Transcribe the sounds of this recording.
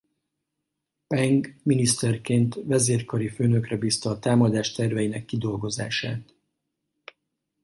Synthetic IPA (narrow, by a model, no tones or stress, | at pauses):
pɛŋɡminist̪ɛrkeːnt̪vɛzeːrkɒɾiføːnø̞krɛbiːst̪ɒːt̪aːmɒd̪aːʃt̪ɛrvɛjinɛkːid̪o̞lɡo̞za̰ːʃa̰ːt̪